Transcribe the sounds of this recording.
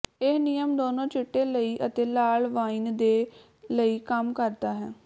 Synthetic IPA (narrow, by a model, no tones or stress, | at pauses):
ɪnijəmd̪oːnõːt͡ʃɪʈːeːləiːʔət̪eːlaːɭʋaːiːnd̪eː | ləiːkəmkəɾd̪aːɦɛː